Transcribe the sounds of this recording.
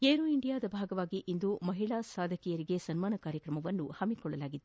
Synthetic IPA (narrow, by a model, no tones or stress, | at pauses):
eːɾuiɳɖijaːd̪ɐbʱaːɡɐʋaːɡiʔind̪umɐɦiɭasaːd̪ʱɐkijɐɾiɡe̞sɐnmaːnɐkaːɾjɐkɾɐmɐʋɐnːuhɐmikɔɭːɐlaːɡid̪e